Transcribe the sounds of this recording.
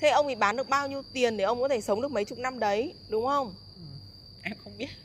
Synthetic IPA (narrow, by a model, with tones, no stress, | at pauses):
t̪ʰe˧˩ʔə˧wŋ͡mt̪ʰi˨˩ɓaː˨˦nɗɨ˨˩ək̚ɓaː˧wɲi˧əwt̪i˨˩ənɗe˧˩ʔə˧wŋ͡mkɔ˨˦e˧˩sə˨˦wŋ͡mɗɨ˨˩ək̚mə˨˦jt͡ɕʊ˨˩k͡p̚na˧mɗə˨˦jɗʊ˨˦ŋ͡mxə˧wŋ͡m | ʔ | ʔɛ˧mxə˧wŋ͡mɓi˦˥ət̚